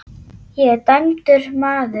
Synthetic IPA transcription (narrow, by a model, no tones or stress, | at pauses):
jɛt̪ajmt̪ʏɾ̥maːðʏ